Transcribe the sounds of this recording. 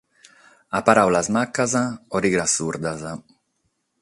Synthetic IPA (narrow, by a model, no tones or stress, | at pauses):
apaɾawlazmakːazaoɾiɡɾasuɾd̪aza